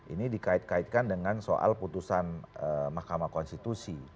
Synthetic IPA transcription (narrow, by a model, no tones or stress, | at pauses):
ʔḭnidikaɪt̪̚kaɪt̪̚kandəŋanso̰ʔa̰lput̪usanəmahkamakɔnst̪it̪usi